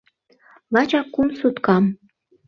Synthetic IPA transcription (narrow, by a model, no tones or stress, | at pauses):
lɑt͡ɕɑkːumsut̪kɑm